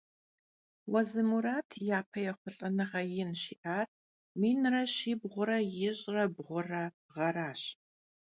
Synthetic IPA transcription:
wɐzɨmuɾaːtʰjaːpʰɐjɛχʷʊɬʼɐnɨʁɐjɪnʃiːʔaːr | miːnrɐɕiːbʁʷʊɾɐjɪɕʼrɐbʁʷʊrɐ | ʁɐɾaːɕ

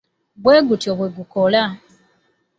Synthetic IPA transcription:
βweːɡutjoβweɡukola

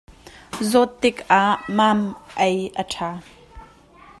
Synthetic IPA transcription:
zɔt̪ːɪkʔaʔmaːmʔɛjʔətʰaː

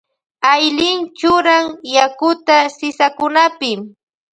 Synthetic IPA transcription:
ajlɪnt͡ʃʊɾaŋjakʊt̪asɪsakʊnapɪm

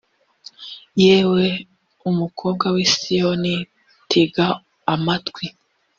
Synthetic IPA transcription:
jeːwe̞ | umukʰo̞ːŋɡawisijoni | tʰiɡaː | matkwi

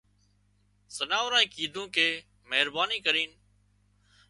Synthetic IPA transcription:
sənaːʋɾãːĩːkiːd̪ʱũːkeː | məɦɾbaːniːkəɾiːn

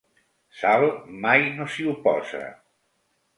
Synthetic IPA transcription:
saβmajnosiupɔza̰

